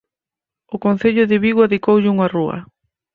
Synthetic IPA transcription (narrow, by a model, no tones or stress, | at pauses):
ʊkonθeʎʊðɪβiɣwaðikowʎɪuŋaruɐ̰